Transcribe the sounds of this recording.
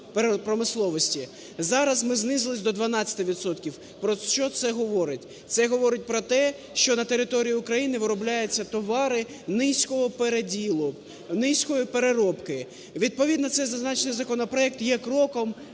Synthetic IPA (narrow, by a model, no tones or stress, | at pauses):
pɾpɾɔmɪslˠɔʋɔsʲtʲi | zɑɾɐzmɪznɪzɪlˠɪsʲd̪ɔd̪ʋɐnɑt͡sʲɐ̥t̪ɪʋʲit̪sɔt̪kʲiw | pɾɔt͡ʃɔt̪sɛɦɔʋɔɾɪtʲ | t̪sɛɦɔʋɔɾɪt̚ʲpɾɔt̪ɛ | ʃt͡ʃɔnɐt̪e̞ɾɪt̪ɔɾʲijiʊkɾɐjinɪʋɪɾɔblʲajʊt͡sʲːɐt̪ɔʋɑɾɪ | nɪsʲkɔɦɔpeɾedʲilˠʊ | nɪsʲkɔjipeɾeɾɔpkɪ | ʋʲid̪̚pɔʋʲid̪nɐt̪sɛjzɐznɑt͡ʃenɪjzɐkɔnɔpɾɔɛk̚t̪jɛkɾɔkɔm